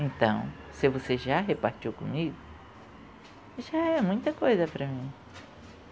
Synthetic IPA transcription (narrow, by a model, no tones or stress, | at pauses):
ẽnt̪ɐ̰̃w̃ | sɪvoseʒaɦepaɾt͡ʃiwkõmiɡʊ | ʒaɛmũj̃t̪ɐkojzɐpɾɐmĩ